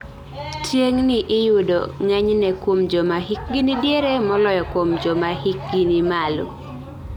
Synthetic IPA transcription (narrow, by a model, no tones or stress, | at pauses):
tjeŋnɪʔɪjudo̰ŋɛɲnɛkwomd͡ʒɔmaɦik̚ɡinidjeɾemɔlɔjɔkwomd͡ʒɔmahik̚ɡinimalʊ̰